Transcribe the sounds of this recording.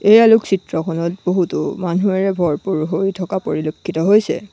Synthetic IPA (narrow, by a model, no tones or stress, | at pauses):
ejaluksitɹɔkʰɔnɔt̚boɦutʊ̰manuɛɹɛbʱɔɹpuɹɦojitʰɔkapoɹilokʰːitɔɦojsɛ̰